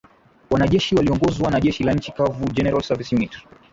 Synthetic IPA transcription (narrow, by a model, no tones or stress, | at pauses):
wanaʄɛʃiwaliɔŋɡɔzwanaʄɛʃilaɲ̩t͡ʃikavud͡ʒɛnɛɾalsavisimit